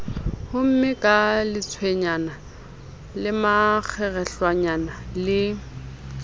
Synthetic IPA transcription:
hʊm̩mɪkʼalɪt͡sʰweɲana | lɪmak͡xʰɛɣɛɬwaɲanalɪ

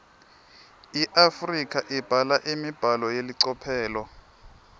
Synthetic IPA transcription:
iʔafrikʰʼaʔib̥ʱalaʔimib̥ʱalɔjeliǀɔpʰɛːlɔ

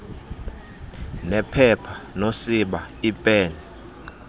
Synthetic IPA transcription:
nɛpʰɛpʰḁnosiɓaipʼɛːni

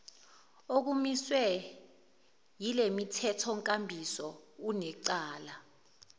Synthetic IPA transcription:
ok̬umiswɛ | jilemitʰɛtʰɔŋkʼambʱisɔunɛǀaːla

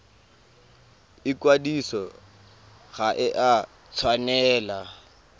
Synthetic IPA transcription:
ɪkwadisɔ | ɣaʔɪʔa | t͡sʰwanɛːla

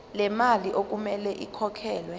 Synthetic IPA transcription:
lɛmaliʔok̬ʼumɛlɛʔikʰɔkʰɛːlwɛ

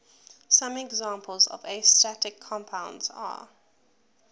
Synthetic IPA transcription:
sãmɛɡzãːˑmpʰəlˠzɔ̰vestatɪkʰːɔ̃mpʰãʊ̃ndza̰

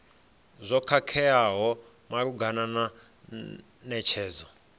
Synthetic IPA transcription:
zʷɔkʰakʰɛjaɦɔ | maɾuɡanana | nɛt͡ʃʰɛːzɔ

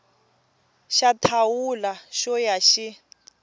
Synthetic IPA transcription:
ʃatʰawulaʃɔjaʃi

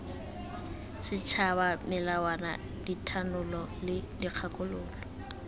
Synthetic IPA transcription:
sɪt͡ʃʰabamɪlawana̰ | ditʰanʊlɔlɪdiq͡χʰakʼʊlʊːlɔ

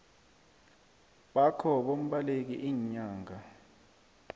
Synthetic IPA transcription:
ɓakʰɔɓom̩ɓalek̬ḭʔiːɲaːŋa

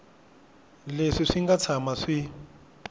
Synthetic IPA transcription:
leʂiʂiŋɡat͡sʰamaʂi

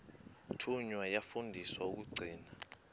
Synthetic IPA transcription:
tʰuɲwajafundʱiswauk̬uɡ͡ǀʱiːna

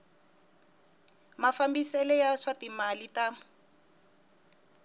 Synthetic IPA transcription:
mafambisɛlɛjaʂatimalita

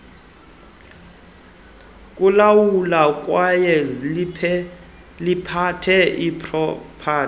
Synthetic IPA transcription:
kʼulawulak̬ʼwajɛ | lipʰatʰɛipʰʼrɔpʰaː

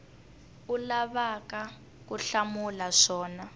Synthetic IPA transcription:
ulaβaka | kuɬamulaʂɔːna

